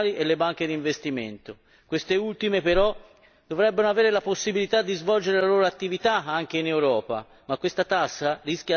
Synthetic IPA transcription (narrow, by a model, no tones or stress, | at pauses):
liʔelːebaŋk̟ed̪iɱvest̪imḛnt̪o | kwest̪eult̪imepeɾɔ | d̪̥ovɾɛbːenoaveːɾelaposːibilit̪ad̪ːizvɔld͡ʒeɾelaloːɾoat̪ːivit̪aaŋk̟einewɾɔːpa̰ | makːwest̪at̪asːariskja